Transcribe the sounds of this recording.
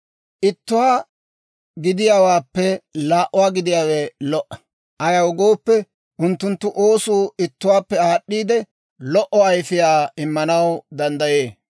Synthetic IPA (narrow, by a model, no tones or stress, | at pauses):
ʔɪt̪ːʊwaː | ɡɪd̪ɪjaːwaːpːɛlaːʔʊwaːɡɪd̪ɪjaːwɛlɔʔːɐ̥ | ʔɐjɐwʊɡo̞ːpːɛ | ʔʊnt̪ːʊnt̪ːʊʔo̞ːsuːɪt̪ːʊwaːpːɛaːɗːiːd̪ɛ | lɔʔːɔɐjfɪjaːɪmːɐnɐwd̪ɐnd̪ɐjeː